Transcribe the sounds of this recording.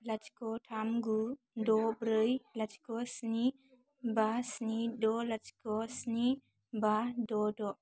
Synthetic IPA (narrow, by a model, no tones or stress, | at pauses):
lat͡ʃkɔtʰamɡu | dɔbɾɯjlat͡ʃkɔsni | basnidɔlat͡ʃkɔsni | badɔdɔʔ